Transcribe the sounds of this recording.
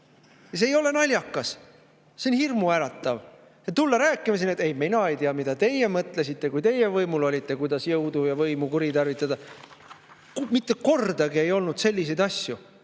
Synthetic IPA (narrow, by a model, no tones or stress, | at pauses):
jɑs̬eːjo̞le̞nɑlʲjɑkːˑɑs | seonhirmuæɾɑt̪ːˑɑv | jɑt̪ulːɑɾæːkːˑimɑsinːet̪ejmejnɑe̞jt̪iɑmid̪̥ɑt̪e̞jːemɤt̪ˑles̬it̪ˑːe̞kujt̪e̞jevɤjmulo̞lʲit̪ːˑe̞kujd̪̥ɑsjɤwd̪ujɑvɤjmukuɾit̪ɑrvit̪ːˑɑd̪ɑ | kmit̪ːe̞ko̞rd̪̥ɑɡie̞jo̞lnud̪̥se̞lʲːise̞jd̪̥ɑsʲju